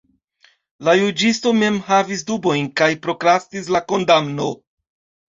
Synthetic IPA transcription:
lajud͡ʒisto̞me̞mhavis̬dubo̞jnkajpɾo̞kɾastis̬lako̞ndamno̞

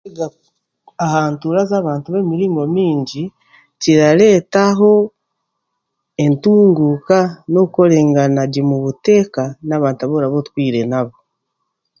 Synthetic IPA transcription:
iɡa | ahaːntuːɾazaːβaːntuβe̞miɾiŋomiːɲɟi | ciɾaɾe̞ːtaɦo̞ | e̞ntuːŋɡuːkano̞kuko̞ɾe̞ːŋɡanaɟemuβute̞ːkanaːβaːntaβoɾaβotu̥kwiːɾe̞naβo

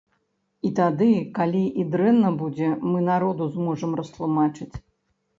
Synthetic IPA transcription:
it̪ad̪ɨkalʲiʔid̪ɾɛnːɐbud͡zʲɛmɨnaɾɔd̪uzmɔʐɐmɾɐst̪lˠumat͡ʂɨt͡sʲ

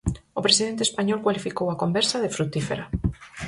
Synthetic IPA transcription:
opɾesiðent̪espaɲɔlkwalifikowakombɛɾsaðefɾut̪ifeɾa

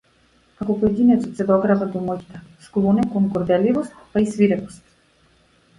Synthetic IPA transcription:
akɔpɔɛd̪inɛt̪sɔt̪sɛd̪ɔɡɾavad̪ɔmɔɟit̪ɛsklˠɔnɛkɔŋɡɔɾd̪ɛlivɔst̪paisviɾɛkɔ̥st̪

